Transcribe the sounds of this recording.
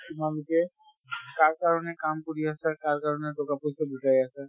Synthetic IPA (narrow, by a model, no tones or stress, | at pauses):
kimabitɛ | kaɹkaɹɔnɛkamkuɾiasɛkaɹkaɹɔnɛtɔkapusɛbʱitaɹiasɛ